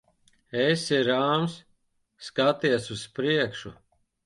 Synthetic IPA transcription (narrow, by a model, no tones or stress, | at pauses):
esiɾaːmsː | kat̪iɛsuspɾiɛkʃṵ